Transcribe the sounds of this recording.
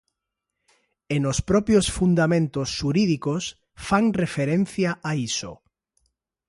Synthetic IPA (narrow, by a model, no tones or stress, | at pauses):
enospɾɔpjosfund̪amẽnt̪osːuɾiðikos | faŋrefeɾẽn̟θjaʔaiso̰